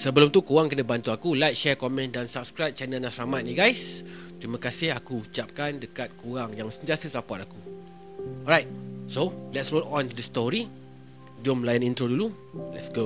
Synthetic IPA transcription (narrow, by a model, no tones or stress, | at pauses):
səbəlʊmt̪ukuwaŋkənəbant̪uakulajk̚ʃɛkɔmɛ̃ndansap̚skɾajp̚t͡ʃanənasɾamat̪̚niɡajs | t̪ɾimə̃kasɪhakuut͡ʃap̚kandəkat̪̚kuaŋjaŋsənt̪iasəsapaʔaku | ɔɾajt̚solɛtsɹolɔ̃ntudəst̪ɔɹi | d͡ʒɔmlajənĩnt̪ɾodulu | lɛtsɡo